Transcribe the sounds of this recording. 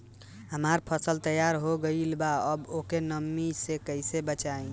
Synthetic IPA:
ɦəmaɾpʰəsəlt̪əjaɾɦoɡəilbaəbokenəmːisekəjsebət͡ʃaĩ

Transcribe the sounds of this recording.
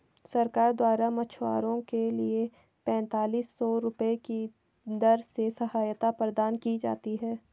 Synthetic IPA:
sɐɾkaːɾd̪waːɾamɐt͡ʃʰwa̰ːɾõkelie | pɛ̃ːnt̪aːliːsːɔːɾʊpəeki | d̪ɐɾsesɐɦaːjət̪apɾəd̪aːnkid͡ʒa̰ːt̪iɦɛː

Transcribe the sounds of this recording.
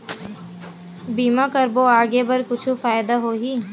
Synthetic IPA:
biːmãkəɾboːaːɡebɐɾkʊt͡ʃʰufaːjd̪aɦoːɦiː

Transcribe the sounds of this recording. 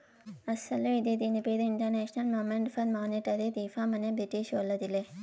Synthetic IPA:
ɐsɐlid̪id̪inipeːd̪eiɳʈɐɾneːʃnɐlmoːmeɳʈfɐnmaːneʈɐd̪ed̪iːfamɐnebɾiʈiʃɐlːɐd̪ile

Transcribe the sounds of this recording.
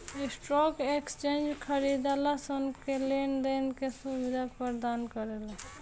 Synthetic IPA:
isʈɾɔkekst͡ʃend͡ʒkʰəɾid̪alasənkelend̪ənkesubid̪ʱapəɾd̪ankəɾel

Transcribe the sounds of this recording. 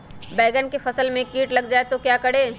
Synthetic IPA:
bɛːɡənkefɐsəlmẽkiːʈlɐɡd͡ʒaːet̪okjakɐɽeː

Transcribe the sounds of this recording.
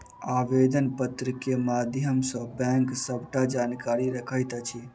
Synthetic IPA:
aʋed̪ənpət̪ɾəkemad̪ʱjəmsə̃bɛ̃ŋksəbʱʈad͡ʒankaɾiɾəkʰəjt̪t͡ʃʰi

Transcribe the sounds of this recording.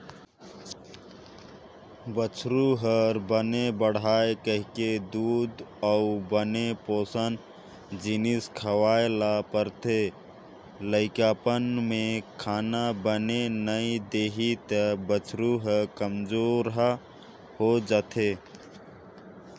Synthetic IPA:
bət͡ʃʰɾuɦəɾbənebəɽ̤aːekəɦɪked̪uːd̪ɔʊbənepoːsən | d͡ʒɪnɪskʰəwaːelapəɾt̪e | ləɪkaːpənmẽkʰaːnabənenəid̪eːɦit̪əbət͡ʃʰɾuɦəkəmd͡ʒoːɾɦ | hod͡ʒat̪ʰe

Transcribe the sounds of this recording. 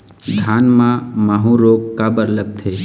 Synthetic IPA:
d̪ʱanmãmaɦũɾoɡkabəɾləɡ̚t̪ʰe

